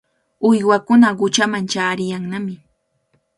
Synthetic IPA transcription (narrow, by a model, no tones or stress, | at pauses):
ʊjwakʊnaɢʊt͡ʃamant͡ʃaːɾɪjaŋnamɪ